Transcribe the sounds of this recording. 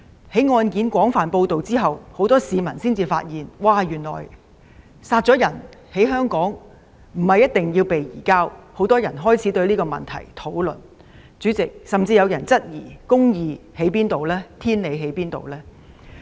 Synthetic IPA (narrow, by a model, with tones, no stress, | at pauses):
he˨˥jŋɔː˧nkiː˨˥nkʷɔː˨˥ŋfaː˨npo˧wt̪o˨wt͡siː˥ɦɐ˨who˨˥wt̪ɔː˥siː˨˧mɐ˨˩nsiː˥nt͡siː˨faː˧t̚jiː˨nwaː˨jyː˨˩nlɔ̰ː˨˩j | saː˧t̚t͡sɔ˨˥jɐ˨˩nhe˨˥jɦœː˥ŋkɔː˨˥ŋ | m̩˨˩hɐ˨˩jːɐ˥t̚t̪ɪ˨ŋjiː˧wpe˨jjḭː˨˩kaː˥who˨˥wt̪ɔː˥jɐ˨˩nɦɔː˥jt͡sʰiː˨˥t̪ɵ˧ɥliː˥kɔː˧mɐ̰˨nt̪ʰɐ̰˨˩jt̪ʰo˨˥wlɵ̰˨˩n | t͡syː˨˥t͡sɪ˨k̚sɐ˨mt͡siː˧jɐ˨˧wjɐ˨˩nt͡sɐ˥t̚jḭː˨˩kʊ˥ŋjiː˨˧he˨˥jpiː˥nt̪o˨wlɛː˥t̪ʰiː˥nle˨˧jɦe˨˥jpiː˥nt̪o̰˨wlɛː˥